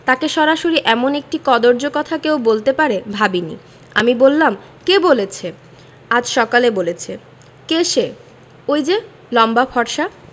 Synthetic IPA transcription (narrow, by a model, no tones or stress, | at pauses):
t̪akeʃɔɾaʃoɾiʔɛmonek̚ʈikɔd̪oɾd͡ʑokɔt̪ʰakewbolt̪epaɾebʱabinḭ | a̰mibolːam | kebolet͡ɕʰe | ad͡ʑʃɔkalebolet͡ɕʰe | keʃe | ojd͡ʑe | lɔmbafʰɔɾʃa